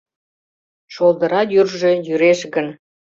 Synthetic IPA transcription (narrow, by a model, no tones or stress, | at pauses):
ʃolˠd̪ə̆ɾɑjyrʒejyɾeʃɣən